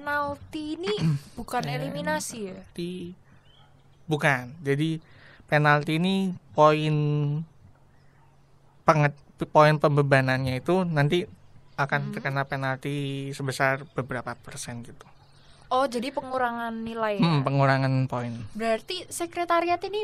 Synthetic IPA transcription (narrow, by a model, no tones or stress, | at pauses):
enalt̪iːnib̥ukaneliminasit̪i | bukand͡ʒadi | penalt̪iːnipoɪn | paŋət̪̚ | poɪnpəmbəbananɲait̪unant̪iakant̪ərkənapenalt̪isəbəsarb̥əbɾapapərsɛnɡit̪u̥ | ʔɔhd͡ʒadipəŋuɾaŋanːilajm̩m̩pəŋuɾaŋanpoɪnbəɾart̪isəkɾet̪aɾiat̪ini